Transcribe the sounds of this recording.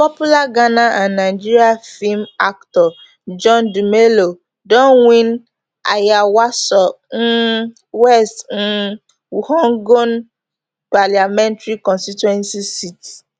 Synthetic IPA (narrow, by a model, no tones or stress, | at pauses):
pɔpulaɡanaʔãnːaɪd͡ʒiɾiafilmaktɔ | d͡ʒɔndumelo | dɔ̃nwĩn | a̰jawasɔ | n̩ | wɛstn̩ | hɔŋɡon | paliamɛ̃ntɾikɔ̃nstitɛ̃nsisiti̥